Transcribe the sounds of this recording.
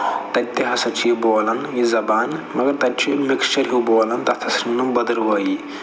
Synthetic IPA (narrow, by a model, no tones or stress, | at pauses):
t̪ɐt̪ʲːeɦɐsɐt͡ʃiboːlɐnjizɐbaːnmɐɡɐɾt̪ɐt͡ʃimɪkɐɾɦiwboːlɐnt̪ɐt̪ʰɐsɾinːumbɐd̪ɐɾʋɐːji